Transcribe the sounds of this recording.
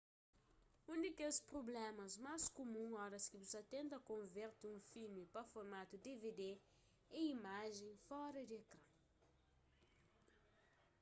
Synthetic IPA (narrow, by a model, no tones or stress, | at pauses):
ũnd̪ɪkespɾoblɛ̃mɐzmaskomũŋɔɾɐskɪbuzɐt̪ẽnt̪ɐkõveɾt̪ɪũfilmipɐfoɾmat̪ud̪eved̪e | ɛimaʒẽj̃fɔɾɐd̪ɪekɾɐ̃